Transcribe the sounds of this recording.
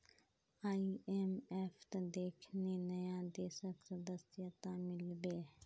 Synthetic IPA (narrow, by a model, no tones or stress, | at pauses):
aːiemeːfʰt̪ɐd̪eːkʰnenəjãd̪eːsəksəd̪əsɪjət̪ãmɪlbeː